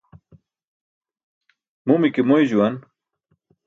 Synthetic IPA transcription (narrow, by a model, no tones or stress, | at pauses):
mumikemojʑuwan